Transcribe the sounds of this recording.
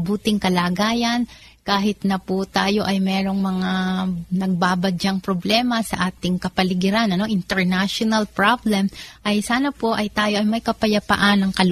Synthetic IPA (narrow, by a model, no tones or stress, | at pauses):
buːt̪ɪŋkɐlaɡaːjɐn | kaːɦɪt̪nɐpʊt̪aːjo̞ʔɐjmɛːɾo̞ŋmɐŋanɐɡ̚baːbɐdd͡ʒaŋpɾoblɛːmɐsɐʔaːt̪ɪŋkɐpɐlɪɡɪɾanʔɐno̞ʔɪnt̪ɛɹnaʃonɐlpɹablɛmʔɐjsaːnɐpo̞ʔɐjt̪aːjo̞ʔɐjmɐjkɐpɐjɐpa̰ʔanɐŋkɐl